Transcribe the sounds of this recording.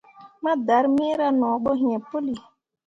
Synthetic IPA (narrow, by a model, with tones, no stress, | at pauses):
ma˦da˨˦ɾmi˦ɾa˦nɔ˨ɓo˦ɦĩ˨e˨po˦li˨